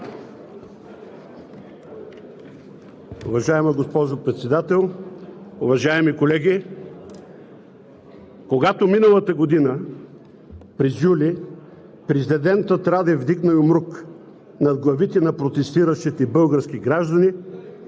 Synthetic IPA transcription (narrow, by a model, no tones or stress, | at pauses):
ʊvɐʒaɛmɐɡospɔʒopɾɛt̪sɛd̪at̪ɛlˠ | ʊvɐʒaɛmikolɛɡʲi | koɡat̪ominəlˠət̪əɡod̪inə | pɾɛzjuli | pɾɛzʲd̪ɛd̪ɛnt̪ət̪ɾad̪ɛvd̪iɡnɐjʊmɾuk | nɐd̪ɡlˠɐvit̪ɛnɐpɾot̪ɛst̪iɾəʃt̪it̪ɛibɤlˠɡəɾskiɡɾaʒd̪ɐni